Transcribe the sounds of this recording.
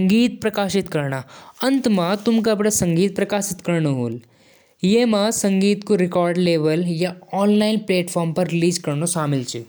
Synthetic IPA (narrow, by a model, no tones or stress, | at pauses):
ɐŋɡiːt̪̚pɾɐkaːʃɪt̪kɐɾnaːɐ̃nt̪mat̪ʊmk̬apɽasɐ̃ŋɡiːt̪̚pɾɐkaːʃɪt̪kɐɾnoɦoːl | jeːmasɐ̃ŋɡiːt̪koɾɪkɔːɾɖleːʋəljaɔːnlaːɪnpleːʈfʰɔːɾmpɐɾːɪliːzkɐɾnoʃaːmɪlt͡ʃi